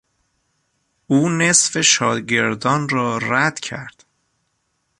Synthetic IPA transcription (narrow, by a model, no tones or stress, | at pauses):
ʔuːne̞sfe̞ʃɒːɟe̞ɾd̪ɒːnrɒːɾæd̪̥cʰæ̰ɾd̪̥